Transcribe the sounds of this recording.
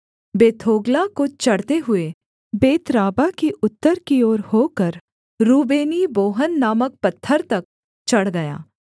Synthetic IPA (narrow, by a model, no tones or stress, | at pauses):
beːt̪ʰoːɡlakot͡ʃɐɽt̪eɦʊe | beːt̪ɾaːbakiʔʊt̪ːəɾkioːɾhoːkəɾ | ɾuːbeːniboːɦənːaːmək̚pɐt̪ʰːəɾt̪ɐk̚ | t͡ʃɐɽɡɐja̰ː